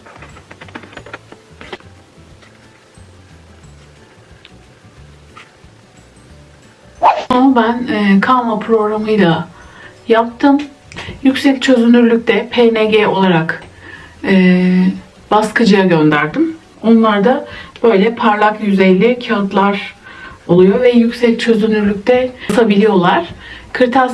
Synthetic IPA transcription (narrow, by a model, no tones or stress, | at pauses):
aabænːkʰamapʰɾo̞ɡɾamɯjlˠa | jap̚t̪ʰɯm | jycsɛct͡ʃʰø̞zynyɾlʲyc̚t̪ʰɛpʰeneɟɛo̞lˠaɾak | ɯː | b̥askʰɯd͡ʒɯjaɟø̞nd̪æɾd̪im | o̞nlˠaɾd̪ab̥ø̞jlʲɛpʰaɾlˠakjyzejlʲɛcʰat̪lˠaɾ̥olˠujo̞vɛjycʲsɛc̚t͡ʃʰø̞zynyɾlʲyc̚ʲt̪ʰɛsʰabilʲijo̞lˠaɾ̥kʰɯɾt̪ʰa